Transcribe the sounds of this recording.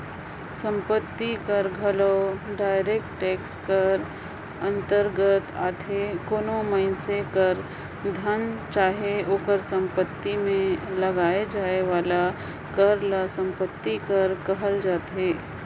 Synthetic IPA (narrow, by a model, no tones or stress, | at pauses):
sə̃mpət̪ːikəɾɡʱələʊɖaːɪɾeːk̚ʈʈeːkskəɾ | ə̃nt̪əɾɡət̪a̰ːt̪ʰekoːnoməɪnsekəɾ | d̪ʱənt͡ʃaːɦeoːkəɾsə̃mpət̪ːimẽləɡaːed͡ʒaːeʋaːla | kəɾlasə̃mpət̪ːikəɾkɐɦəld͡ʒaːt̪ɦeː